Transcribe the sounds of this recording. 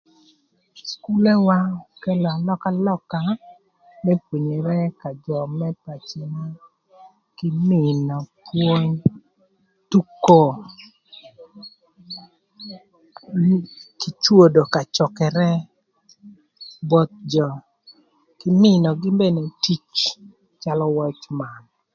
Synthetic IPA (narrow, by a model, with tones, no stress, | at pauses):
sku˦lɛ˦wa˦kɛ˦lɔ˨a˨lɔ˦ka˦lɔ˦ka˨ | mɛ˦pwo˨ɲe˨ɾɛ˦ka˨d͡ʒɔ˨mɛ˦pa˨t͡ʃi˨ŋa˦ | kɪ˦mɪ˨nɔ˨pwo˦ɲ | tu˦ko˦ | ki˨t͡ʃwo˦do˨ka˨t͡ʃɔ˨kɛ˨ɾɛ˦ | bɔ˦t̪̚d͡ʒɔ˨ | kɪ˦mɪ˦˨nɔ˨ɡɪ˦mbe˦˨ne˨ti˦t͡ʃ | t͡ʃa˦lɔ˦wɛ˦t͡ʃma˨n